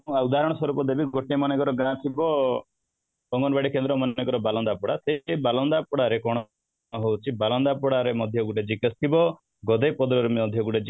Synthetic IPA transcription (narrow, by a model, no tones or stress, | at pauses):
aud̪aɦɾɔɽ̃ɔsɔɾupɔd̪ebiɡɔʈemɔnekɔɾɔɡãt̪ʰibɔ | bɔŋɡɔnbaɽikend̪ɾɔmɔnnekɔɾɔbalɔnd̪apɔɽasebalɔnd̪apɔɽaɾekɔɽ̃ | ɦowt͡ʃʰibalɔnd̪apɔɽaɾemɔd̪ʱjɔɡuʈed͡ʒikɔst̪ʰibɔ | ɡɔd̪epɔd̪ɾɔɾemɔd̪ʱjɔɡuʈed͡ʒi